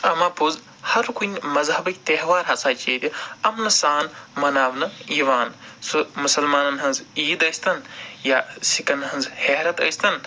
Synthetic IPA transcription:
ɐmaːpuz | hɐɾkunʲmɐzɦɐbɐkʲt̪eɦʋaːɾɦɐt͡saːt͡ʃeːd̪ʲiɐmnɐsaːnmɐnaːbnɐjiʋaːnsumusɐlmaːnɐnɦɐnziːd̪əst̪ɐnjaːsikɐnɦɐnzheːɾɐt̪ɐjst̪ɐn

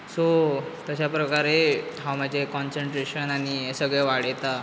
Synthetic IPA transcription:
sot̪əɕapɾəkaɾe | ɦawm̤ad͡ʑʱekɔnsəɳʈɾeɕənañiesəɡɭeʋaɽjt̪a

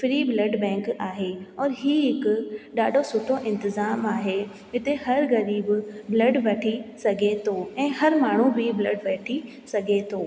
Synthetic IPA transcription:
fɪɾiːblɐɖbɛ̃ːŋkaːɦeɔːɾɦiːɦɪkʊɗaːɖʱosʊʈʰoʔɪ̃nt̪ɪzaːmaːɦe | ɦɪt̪eɦɐɾɣɐɾiːbblɐɖʋɐʈʰisɐɡʱet̪ʰoɛ̃ːɦɐɾmaːɳ̤ubʱɪblɐɖʋɛːʈʰi | sɐɡʱet̪ʰoː

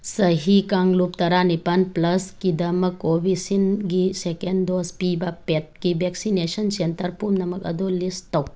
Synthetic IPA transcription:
sɐɦikaŋɡlupt̪ɐɾanipɐnplɐskid̪ɐmɐkoʋisinɡisekenɖd̪oːspiːbapet̪̚kiʋeksineʃɐnsent̪ɐɾpumnɐmɐkɐ̰d̪oːlːist̪ɐw

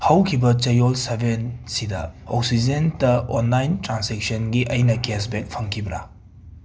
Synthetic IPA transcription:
hɐwkʰibɐt͡ʃɐjolsebensidɐ̰ɔk̚sid͡ʒentɐonlajntɾansek̚sɐnɡiʔɐjnɐkes̬bek̚pʰɐŋkʰibɾa̰

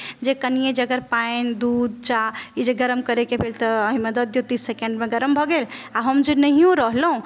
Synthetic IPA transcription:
d͡ʒekənijed͡ʒəɡəɾpaend̪ud̪̚t͡ʃaid͡ʒeɡəɾəmkəɾekebʱelt̪ɔəɦimed̪əd̪jot̪isːekeɳɖmẽɡəɾəmbʱɔɡelaɦəmd͡ʒenəɦijũɾəɦlɦũ

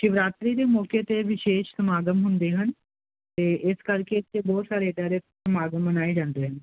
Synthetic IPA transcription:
ʃɪʋɾaːt̪ɾiːd̪eːmɔːket̪eʋɪʃeːʃsəmaːɡəmɦʊnd̪eːɦən | t̪eːʔɪskəɾket̪ebɔːt̪saːɾet̪ɛɾe | səmaːɡəmbənaːed͡ʒãːnd̪eɦən

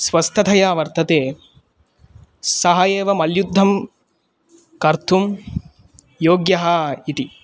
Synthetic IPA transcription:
sʋɐst̪ʰɐt̪ʰɐjaːʋɐɾt̪ɐt̪eː | sɐɦɐjeːʋɐmɐljud̪ʱːɐm | kɐɾt̪ʰum | joːɡjɐɦɐit̪i

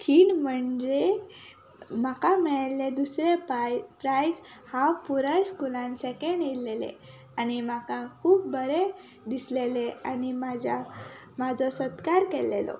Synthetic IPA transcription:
kʰiːnm̤əɳd͡ze | makamiɭelːed̪usɾepɾajd͡zhapuɾəjskulãnsɛkeɳɖeelḛ | añimakakʰuːp̚bəɾe | d̪isleleanimad͡ʑa | mad͡zɔsət̪kaɾkelːelɔ̰

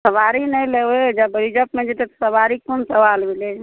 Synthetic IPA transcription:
səʋaɾinəjlewed͡ʒabəɾid͡ʒəpmed͡ʒet̪et̪ɔ̥səbaɾikonsəʋalbʱile

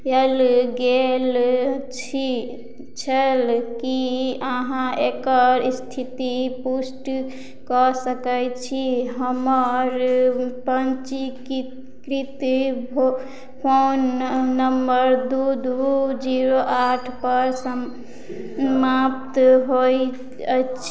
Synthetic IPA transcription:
jelɡelt͡ʃʰi | t͡ʃʰəlkiəɦãekəɾst̪ʰit̪ipusʈ | kɔsəkəjt͡ʃʰiɦəməɾpənt͡ʃik | kɾit̪io | pʰonːəmbəɾd̪ud̪ud͡ʒiɾoʔaʈʰpəɾsə | map̚t̪ɦoj | t͡ʃʰ

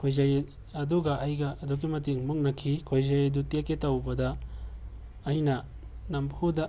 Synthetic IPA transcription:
kʰojzaj | ɐduɡɐʔajɡɐʔːduɡimɐtiŋmuŋnɐkʰikʰojzajdutiaketawbɐdɐ | jnɐ | nambhudɐ

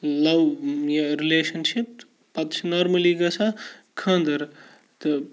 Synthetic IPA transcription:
lɐwjaɾileːʃɐnʃip̚ | pɐt̪t͡ʃʰnoːɾmɐliɡɐsʰa | kʰɐ̃ːnd̪ɐɾ | t̪ɨ

